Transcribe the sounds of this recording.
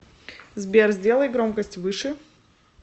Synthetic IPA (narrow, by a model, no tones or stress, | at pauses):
zbʲerzʲdʲe̞lˠəjɡɾomkəsʲtʲvɨʂɨ